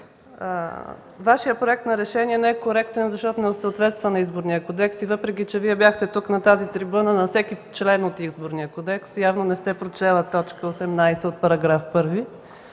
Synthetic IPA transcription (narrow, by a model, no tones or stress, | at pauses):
vaʃijəpɾoɛk̚t̪nɐɾɛʃɛniɛnɛɛkoɾɛk̚t̪ɛnzɐʃt̪ɔt̪onɛʊsəot̪vɛt̪st̪vənɐizboɾnijəkod̪ɛksivɤpɾɛk̬it͡ʃɛviɛbjaxt̪ɛt̪uknɐt̪azit̪ɾibunənɐfsɛkit͡ʃlɛnot̪izboɾniəkod̪ɛksjavnonɛst̪ɛpɾot͡ʃɛlˠət̪ɔt͡ʃkəosɛmnajsɛot̪̚pɐɾɐɡɾafpɤɾvi